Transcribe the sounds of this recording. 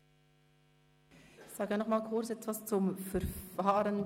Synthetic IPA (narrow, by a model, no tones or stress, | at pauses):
ɪçz̥aːɡənɔχmaːlkʰʊɾt͡sɛtvast͡sʊmfɛɾfaːɾən